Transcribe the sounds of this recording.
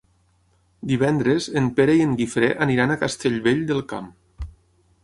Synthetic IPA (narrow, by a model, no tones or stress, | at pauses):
d̪iβ̞ɛnd̪ɾezempeɾeieŋɡifɾeʔaniɾanakast̪eʎβeʎd̪elˠka̰m